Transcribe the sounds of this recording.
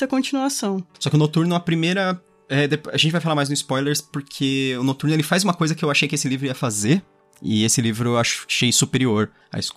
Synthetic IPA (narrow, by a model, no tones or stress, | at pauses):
ɐkõt͡ʃinuasɐ̃w̃sɔkɪʊnot̪uɾnʊ̃ɐpɾimejɾɐ | ɛd̪epaʒẽt͡ʃɪvajfalaɾmajznʊɪspɔjleɾspoɾkʰeʊnot̪uɾnʊelɪfajzũmɐkojzɐkɪewaʃejkɪesɪlivɾʊiɐfazeɾ | ɪ̰esɪlivɾʊwaʃʃejsupeɾioɾ | a̰ɪsk